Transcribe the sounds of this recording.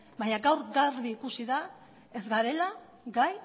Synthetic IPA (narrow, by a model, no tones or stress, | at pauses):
baɲaɡawɾɡaɾβiːkusiða | e̞zɡaɾe̞la | ɡaj